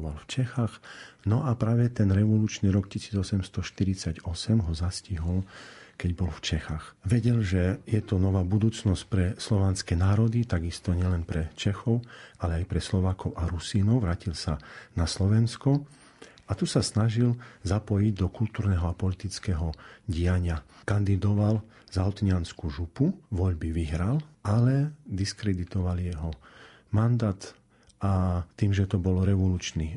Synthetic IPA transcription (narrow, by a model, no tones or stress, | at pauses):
ʋalft͡ʃɛxaxnɔʔapɾaːʋɛt̪ɛnɾɛʋɔluːt͡ʃniɾɔkcisiːd͡zɔsɛmst̪ɔʃt̪iɾit͡saɟɔsɛmɦɔzasciɦɔlkɛɟbɔlft͡ʃɛxaxʋɛɟɛlʒɛjɛt̪ɔnɔʋaːbud̪uːt͡snɔsc̚pɾɛslɔʋaːnskɛnaːɾɔd̪it̪aɡist̪ɔɲɪɛlɛnpɾɛt͡ʃɛxɔʊalɛajpɾɛslɔʋaːkɔʊʔaɾusiːnɔʊʋɾaːcilsanaslɔʋɛnskɔ | at̪usasnaʒilzapɔjiɟd̪ɔkult̪uːɾnɛɦɔapɔlit̪it͡skɛɦɔɟijaɲɪakand̪id̪ɔʋal | zaɦɔt̪ɲɪanskuʒupuʋɔʎbiʋiɦɾalalɛd̪iskɾɛd̪it̪ɔʋalijɛɦɔ | mand̪aːt̪ | at̪ːiːmʒɛt̪ɔbɔlɾɛʋɔluːt͡ʃniː